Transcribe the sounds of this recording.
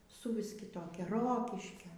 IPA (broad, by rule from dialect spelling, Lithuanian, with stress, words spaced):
sʊˈʋʲɪs kʲɪˈtoːkʲɛ ˈroːkʲɪʃʲkʲoː